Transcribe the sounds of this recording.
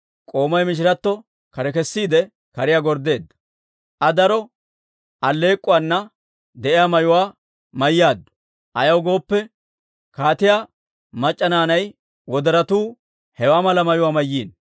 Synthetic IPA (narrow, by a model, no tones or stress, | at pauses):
kʼo̞ːmɐjmɪʃ̬ɪɾɐt̪ːɔ | kɐɾɛkɛsːiːd̪ɛ | kɐɾɪjaːɡɔɾd̪ːe̞ːd̪ːɐ̥ | ʔɐd̪ɐɾɔ | ʔɐlːe̞ːkʼːʊwaːnːɐ | d̪ɛʔɪjaːmɐjʊwaː | mɐjːjaːd̪ːʊ̥ | ʔɐjɐwɡo̞ːpːɛ | kaːt̪ɪjaː | mɐt͡ʃʼːɐnaːnɐj | wɔd̪ɐɾɐt̪uː | hɛwaːmɐlɐmɐjʊwaːmɐjːiːn